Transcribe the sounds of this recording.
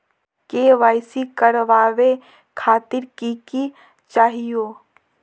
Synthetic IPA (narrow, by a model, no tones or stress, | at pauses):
keʋaːɪsikəɾʋaːʋe | kʰaːt̪ɪɾkiki | t͡ʃaːɦijoː